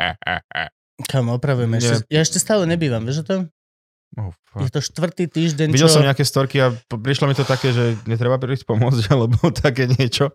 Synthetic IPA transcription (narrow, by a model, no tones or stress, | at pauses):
ɛ̰ɛ̰ | kʰamɔpɾaʋujɛmɛɛɛjaɛʃcɛst̪aːlɛɲɛbiːʋamʋɛːʒɔt̪ɔm | ɔ | jɛt̪ɔʃt̪ʋr̩t̪iːt̪iːʒɟɛɲiɟɛlsɔmɲɛakɛːst̪ɔɾkiapɾiʃlɔmit̪ɔt̪akɛːʒɛɲɛt̪̬ɾɛbapɾisc̚pɔmʊɔd͡zɟalɛbɔt̪ʰakɛːɲɪɛt͡ʃɔ